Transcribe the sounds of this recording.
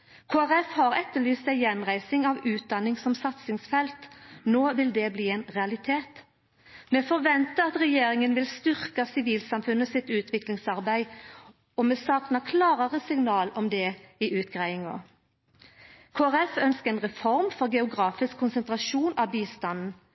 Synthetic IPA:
kʰoːæʁɛfhɑːʁɛt̪ːəlyːsæɪjɛnʁæɪsɪŋɑʋʉːt̪̚d̪ɑnːɪŋsɔmsɑt̪sɪŋsfɛlt̪noːʋɪld̪ɛːbliːɛɪnʁɛɑlɪt̪ʰeːt̪ | mɛfɔʁʋɛnt̪əɑt̪ʁɛjeːɾɪŋənʋɪlst̪ʏʁkɑsɪʋiːlsɑmfʉnːəsɪt̪ʉːt̪ʰʋɪklɪŋsɑʁbæɪ | ɔmɛsɑːknɑkʰlɑːɾəʁəsɪŋnɑːlɔmd̪ɛɪʔʉːt̪̚ɡ̥ʁæɪɪŋo̰ | kʰoːæʁɛfœnskəɛnʁɛfɔʁmfɔʁɡɛʊɡʁɑːfɪskʰːʊnsənt̪ʁɑʃuːnɑbiːst̪ɑnn̩

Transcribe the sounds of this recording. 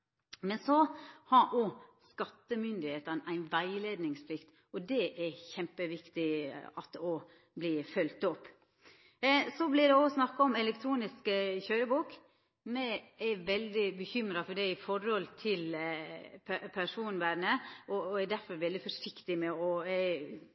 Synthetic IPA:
mɛnsɔhɑɾʔɔskɑt̪ːəmʏnd̪ɪheːt̪ənʔæɪnʋæɪleːd̪nɪŋspʰlɪkt̪ | ɔd̪ɛʔæçɛmpəʋɪkt̪ɪɑ̰t̪ɔ | blɪːfœlt̪ɔpː | sɔblɪd̪ɛɔsnɑkːɑɔmɛlɛkt̪ʰɾuːnɪskəçœɾəbuːk | mɛæʋɛld̪ɪbəçʏmɾɑfɔɖæɪfɔɾɔlt̪ʰɪl | pʰpʰæʂuːnʋæɾnəʔɔæɾd̪æɾfɔɾʋɛld̪ɪfɔʂɪkt̪ɪmɛɔ

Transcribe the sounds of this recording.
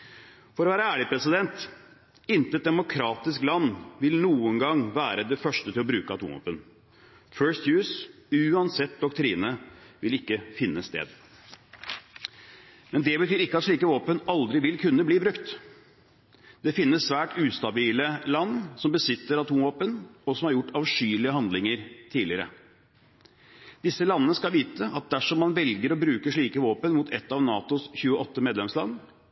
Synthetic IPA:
fɔɾɔʋæːɾəæːɭɪpʰɾɛsɪd̪ɛnt̪ | ɪnt̪əɛt̪̚d̪ɛmʊkʰɾɑːt̪ɪsklɑnːʋɪlnuːəŋɡɑŋʋæːɾəd̪ɛfœʂʈət̪ɪlɔbɾʉːkəɑt̪ʰṵmʋo̰ːpən | fœːst̪jʉːsʉːɑnsɛt̪̚d̪ɔkt̪ʰɾiːnəʋɪlɪkːəfɪnːəst̪ḛːd̪ | mɛnd̪ɛbət̪ʰyːɾɪkːəɑt̪ʂɭiːkəʋoːpənɑld̪ɾɪʋɪlkʰʉnːəbliːbɾʉkt̪ | d̪̥ɛfɪnːəssʋæːʈʉːst̪ɑbiːləlɑnːsɔmbəsɪt̪ːəɾɑt̪ʰumʋoːpənɔsɔmhɑɾjʊʈːɑʋʂyːlɪəhɑnd̪lɪŋəɾt̪ʰiːlɪəɾə̰ | d̪̥ɪsːəlɑnːənəskɑlʋiːt̪əɑt̪̚d̪æʂɔmːɑnʋɛlɡəɾɔbɾʉːkəʂɭiːkəʋoːpənmuːt̪ʰɛt̪ːɑːʋnɑːt̪ʊsçʉːəʔɔt̪ːəmeːd̪lɛmslɑ̰nː

